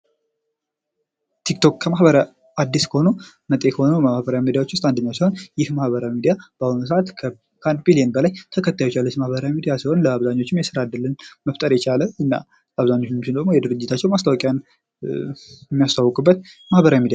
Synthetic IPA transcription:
t̪ʰikt̪ʰo̞kkʰəmahbəɾa | ad̪ːiskʰəho̞nu | mət̪ʼekʰəho̞nəhbəɾawimid̪ijawo̞t͡ʃːwʊst̪ʼand̪əɲːawsiho̞njɪhmahβəɾawimid̪ijab̥ahunus̬əʔat̪ʰ | kʰand̪bilijənbəlajt̪ʰəkʰət̪ʰːajot͡ʃːjalːət͡ʃmahbəɾawimid̪ijasiho̞nləaβzaɲːo̞t͡ʃːɪmjɛsɨɾad̪ːəlːənməft̪ʼəɾjɛt͡ʃʰaləɨnːa̰ | laβzaɲːo̞t͡ʃːmt͡ʃɪnd̪əɡmojɛd̪ɨɾɨd͡ʒːɪt̪ʰat͡ʃːɛwmast̪ʰawɔkʼjan | jmːijast̪ʰawːkʼɨbːət̪mahbəɾawimid̪ija

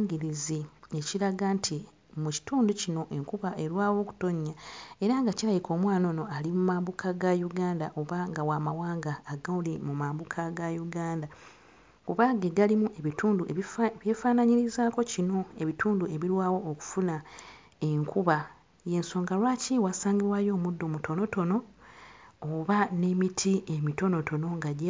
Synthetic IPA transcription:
ɡiɾizie̞ciɾaɡantʰi | muci̥tuːnducino̞ʔe̞ŋkuβaʔe̞ɾwaːwo̞ːku̥to̞ɲːae̞ɾaŋɡacilajikʰo̞ːmwaːno̞ːno̞alimumaːmbukʰaɡajuɡaːndaʔo̞βaŋɡawaːmawaːŋɡaːɡaolimumaːmbukʰaɡajuɡaːnda | kuβaːɡeɡalimuʔeβituːndueβjefaːnaɲiɾizaːko̞cino̞e̞βitʰuːndue̞βiɾwaːwo̞ːku̥funa | e̞ŋkuβa | jeːnso̞ːŋɡalwaːciwaːsaːŋɡiɾwaːjo̞ːmudːo̞mutʰo̞no̞to̞no̞ː | βane̞mitʰie̞mito̞no̞to̞no̞ŋɡaɟ

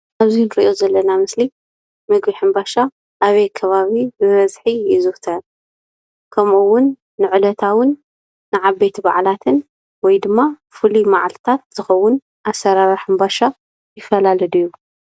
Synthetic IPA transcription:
ʔaβzinɨɾiʔo̞zɐlːɐnamɨsli | mɨɡbiħɨmbaʃa | ʔːβɐjkʰɐβaβibɨβɐzħijɪzɨht̪ʰɐn | kʰɐmuwːʊnː | ɨʕɨlɐt̪ʰawʊnː | ɨʕabet̪ʰba̰ʕlat̪ʰɨn | wɔjd̪ɨmːa | fɨlimaʕalt̪ʰat̪̚z̥ɨxɐwːʊn | ʔasːɐɾaɾɨħɨmbaʃa | jɪfɐlalɐd̪ujːu

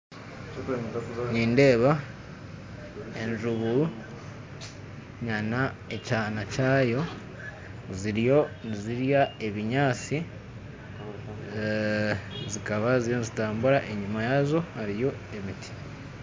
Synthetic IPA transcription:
niːnde̞ːβa | e̞ɲʒuβu | ɲana | e̞caːnacaːjo̞ | ziɾjo̞niziɾjae̞βiɲaːt͡si | zikaβaziɾjonizitaːmbuɾaʔe̞ɲumajazo̞haɾijo̞e̞mitʰi̥

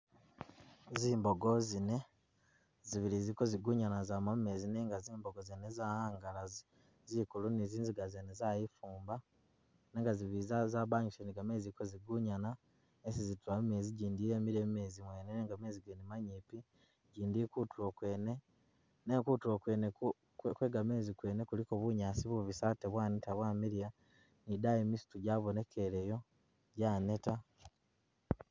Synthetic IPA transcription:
ziːmboɡo̞zine̞ | ziβilizikoziɡuɲanazamame̞zineːŋɡaziːmbo̞ɡozenezahaːŋɡalazi | zikuluniziːnziɡazenezajifuːmba | neːŋɡaziβiizazaβaɲisoniɡameːzikoziɡuɲana | esizituamime̞ːziɟiːndiːɾe̞ːmiɾeːmmeːzimwe̞ːneneːŋɡame̞ːziɡenimaɲiːpi | ɟiːndikutuɾokwene | nekutuɾokwene | kwe̞ɡame̞ːzikwe̞ːne̞kulikoβuɲaːsiβuβisaːteβwaːnitaβwaːmiɾija | nidajemisi̥tuɟaːβone̞kʰe̞ɾejo̞ | ɟaːne̞ta

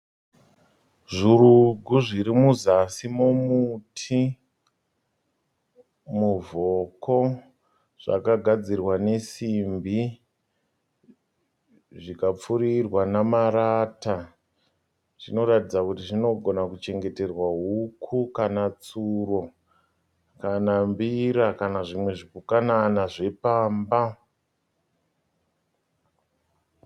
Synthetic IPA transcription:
ʐuɾuɡʱuʐiɾimuzasimomutʰi | muvoko̞ | ʐ̥a̰kaɡʱad͡zirwane̞simbi | ʐikap͡fuɾirwanamaɾata | ʐino̞ɾatid͡zakutiʐino̞ɡʱo̞nakut͡ʃe̞ŋɡe̞te̞rwaɦukʰukanat͡suro̞ | kanambiɾakanaʐimwe̞ʐipukananaʐe̞paːmba

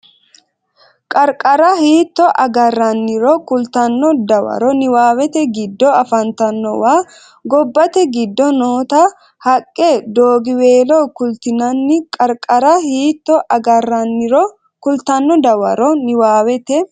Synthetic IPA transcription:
kʼɐɾkʼɐɾɐhiːt̪ːɔʔɐɡɐrːɐnːɪɾɔkʊlt̪ɐnːɔd̪ɐwɐ̰ɾɔnɪwaːwɛt̪ɛɡɪd̪ːɔɐfɐnt̪ɐnːɔwaː | ɡɔbːɐt̪ɛɡɪd̪ːɔnoːt̪ɐ | hɐkʼːɛd̪oːɡɪweːloːkʊlt̪ɪnɐnːɪkʼɐɾkʼɐɾɐhiːt̪ːɔʔɐɡɐrːɐnːɪɾɔ | kʊlt̪ɐnːɔd̪ɐwɐ̰ɾɔnɪwaːwɛt̪ɛ

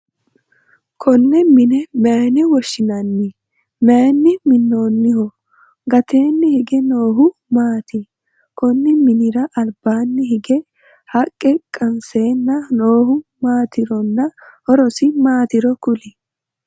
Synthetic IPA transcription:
kʰɔnːɛmɪnɛmɛːnɛwɔʃːɪnɐnːɪ | menːɪmɪnːo̞ːnːɪhɔ | ɡɐt̪e̞ːnːɪhɪɡɛno̞ːɦʊmaːt̪ɪ | kɔnːɪmɪnɪɾɐʔɐlbaːnːɪɦɪɡɛ | hɐkʼːɛkʼːɐnse̞ːnːɐnoːhʊmaːt̪ɪɾɔnːɐhɔɾɔsɪmaːt̪ɪɾɔkʊlɪ

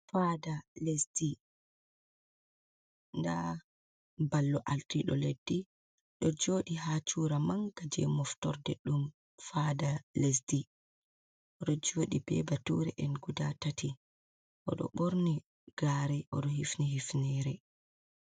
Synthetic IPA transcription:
fadalesdi | nda | balːɔʔaltiɗɔ̰ledːi | ɗɔd͡ʒoːɗiɦat͡ʃuːɾamaŋɡad͡ʒɛ̰mɔftɔɾdɛ̰ɗum | faːdales̬di | ʔɔɗɔd͡ʒoːɗibɛ̰batuɾɛ̰ʔɛnɡudatati | ʔɔɗɔ̰ɓoɾni | ɡ̥aɾɛʔɔɗɔhifniɦifnɛɾɛ

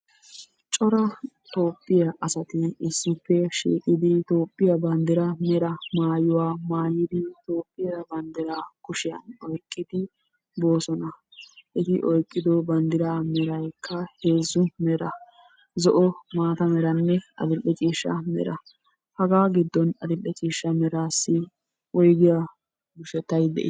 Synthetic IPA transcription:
t͡ʃʼɔɾɐt̪o̞ːpʼːɪjɐʔɐsɐt̪ɪɪsːɪpːɛʃḭːkʼɪd̪ɪt̪o̞ːpʼːɪjɐbɐnd̪ɪɾɐmɛɾɐmaːjʊwaːmaːjɪd̪ɪt̪o̞ːpʼːɪjɐɾɐbɐnd̪ɪɾaːkʊʃɪjɐ̰nɔjkʼːɪd̪ɪ | bo̞ːsɔnɐ | ʔɪt̪ɪʔɔjkʼːɪd̪ɔbɐnd̪ɪɾaːmɛɾɐjkʰːɐhe̞ːzʊmɛɾɐ | zɔʔɔmaːt̪ɐmɛɾɐnːɛɐ̰d̪ɪlːɛt͡ʃʼiːʃːɐ̰mɛ̰ɾɐ | hɐɡaːɡɪd̪ːɔnɐd̪ɪlːɛt͡ʃʼiːʃːɐmɛɾaːsːɪ | ʔɔjɡɪjɐ | ɡʊʃɛt̪ːɐjd̪ɛ̰ʔɪ

